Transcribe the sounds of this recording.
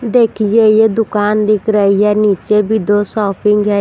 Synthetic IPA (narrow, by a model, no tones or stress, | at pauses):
d̪eːkʰid͡ʒeijed̪ʊkaːnd̪ɪkʰɾəiɦɛniːt͡ʃebʱid̪osɔːpɪŋɡɦɛ